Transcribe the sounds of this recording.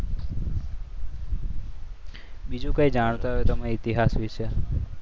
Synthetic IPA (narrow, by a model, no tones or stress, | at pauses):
bid͡ʒũkaid͡ʒaɽ̃t̪aɦojot̪əmeit̪iɦasʋiʃe